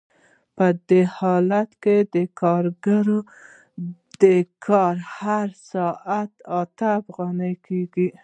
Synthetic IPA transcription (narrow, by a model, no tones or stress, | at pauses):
pəd̪ehɑlat̪ked̪əkʰɑɾɡaɾo | d̪̥əkʰɑɾhaɾsɑʔat̪ɑt̪aːfɣɑnajkʰeɡi